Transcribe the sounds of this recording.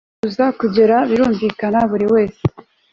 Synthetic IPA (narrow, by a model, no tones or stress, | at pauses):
uzakuɟe̞ɾaβiɾuːɱviːkanaβuɾiwe̞ːse̥